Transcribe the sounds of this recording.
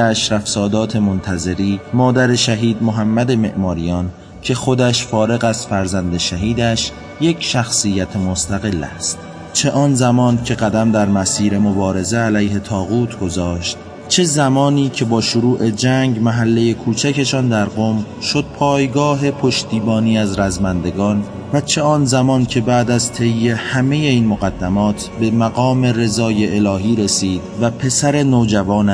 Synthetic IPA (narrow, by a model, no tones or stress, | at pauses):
æʃɾæfsɒːd̪ɒːt̪ʰe̞mont̪ʰæze̞ɾiːmɒːd̪æɾe̞ʃæɦiːd̪moɦæmːæd̪e̞me̞̰ʔmɒːɾijɒːn | cʰe̞xo̞d̪æʃfɒːɾe̞ɣæz̥fæɾzænd̪e̞ʃæɦiːd̪æʃ | je̞cʰʃæxsijːæt̪ʰemo̞st̪ʰæɣe̞lːæ̰st̪ | t͡ʃʰe̞ʔɒːnzæmɒːncʰe̞ɣæd̪æmd̪æɾmæsiːɾe̞mobɒːɾe̞zeælæjɦe̞t̪ʰɒːɣuːt̪ʰɡo̞zɒːʃt̪̚ | t͡ʃʰe̞zæmɒːniːcʰe̞bɒːʃoɾuːʔe̞d͡ʒæŋɟmæɦælːe̞je̞kʰuːt͡ʃʰæke̞ʃɒːnd̪æɾɢom | ʃo̞d̪̥̚pʰɒːjɡɒːɦe̞pʰo̞ʃt̪iːbɒːniːæzɾæzmænd̪e̞ɡɒːn | væt͡ʃʰe̞ɒːnzæmɒːncʰe̞bæːd̪æzt̪ʰe̞jːe̞hæme̞je̞iːnmoɣæd̪ːæmɒːt̪ʰbe̞mæɣɒːme̞re̞zɒːje̞ʔelɒːɦiːɾe̞siːd̪væpʰe̞sæɾe̞noːd͡ʒævɒːn